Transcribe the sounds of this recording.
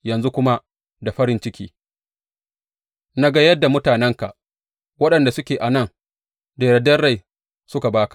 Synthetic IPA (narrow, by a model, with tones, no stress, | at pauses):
jɐ˨nzu˦kʷʊ˦ma˦ | da˨ɸɐ˦ɾɪ˦nt͡ʃɪ˦kʲḭː˦ | na˦ɡa˦jɐ˦dːa˨mʊ˦taː˨nɛ˦ŋka˨ʔ | wɐ˦ɗɐ˨nda˨sʊ˦kʲeː˨ʔa˨nɐ˦˨ŋ | deː˨ɾɐ˨dɐ˦rːa˦˨j | sʊ˦ka˨baː˦kḁ˨ʔ